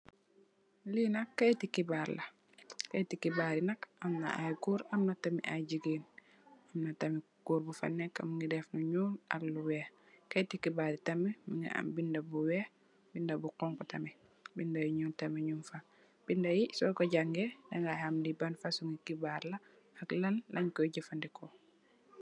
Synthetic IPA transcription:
linakːajtikibaɾla | kajtikibaːɾinakamna̰ʔajɡuːɾamnatamḭʔajd͡ʒiɡeːn | amnatɐmi | ɡ̥uɾbufa̰nːɛka̰miŋɡidɛfnuɲuːlʔa̰lːuwɛːh | kajtikibaɾitɐmimiŋɡḭʔa̰mbindabuwɛːh | bindabuqɔŋkɔtɐmi | bindajuɲuːltɐmiɲumfa | b̥indajisɔkɔɟaŋɡɛdaŋɡahamdibanfasuŋɡikibaɾla | aklɐlːʔɐɲkɔjɟifandɛkɔ

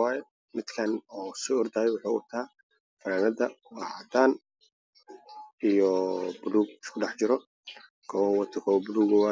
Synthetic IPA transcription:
aːjɛ | mɪd̪kʰɐnɔːsiɔrd̪aːjɛwʊħuːʊ̰t̪ʰaː | fɐɾaːnɐd̪ɐwɑːʕɐd̪aːn | ijɔbʊluːɡ̚ɪskʰʊɖɑħt͡ʃɪɾɔ | ɡ̥ʰɔwɐnwɐt̪ʰɪkʰɔwbʊluːɡɔwa

